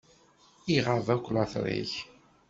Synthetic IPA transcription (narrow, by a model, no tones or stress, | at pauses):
iʁəðækʷːlaθɾˤḭç